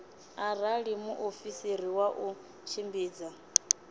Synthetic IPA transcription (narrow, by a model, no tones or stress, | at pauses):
aɾaɺimuʔofisiɾiwaʔu | t͡ʃʰimbiːd͡za